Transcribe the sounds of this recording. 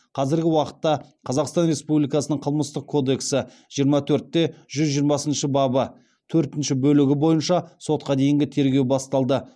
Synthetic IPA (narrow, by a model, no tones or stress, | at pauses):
qʰɑzɪɾɡʲɪwɑqə̥t̪ːɑqʰɑzɑqst̪ɑnre̞spublijkɑsənəɴqʰəlˠməst̪əq̚kʰo̞d̪e̞ksɪ | ʒ̥ijəɾmɑt̪ʰɵɾt̪ːe̞ʒʏzʒijəɾmɑsənʃəbɑbə | t̪ʰɵɾt̪ɪnʃɪbɵlɪɡʲɪbo̞jənʃɑso̞t̪̚qɑd̪e̞jɪŋɡʲɪt̪ʰe̞ɾɡʲe̞wbɑst̪ɑlˠd̪ə